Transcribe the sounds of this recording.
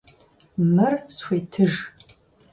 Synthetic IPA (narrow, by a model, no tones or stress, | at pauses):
mɨrsxʷejtʰɨʒ